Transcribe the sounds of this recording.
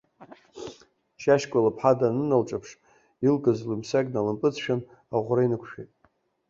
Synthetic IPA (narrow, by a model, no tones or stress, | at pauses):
ʃaʃkʷʼalapʰħadanɨnalʈ͡ʂʼapʰʂ | ilɡʼɨzlɨmsakʲʼnalɨmpʼɨt͡sʰʃᶣan | aʁʷrainɨkʷʰʃᶣejtʼ